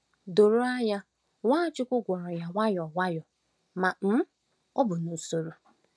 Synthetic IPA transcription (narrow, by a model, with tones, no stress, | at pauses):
do˨ɾo˦a˦ja˦ | wʷaː˦t͡ʃɪ˦kʷʊ˦ɡʷɔ˨ɾɔ˨ja˦wʷa˦jɔ˨wa˦jɔ˨ | ma˨m̩˦ | ɔ˦bʊ˨no˨so˨ɾo˨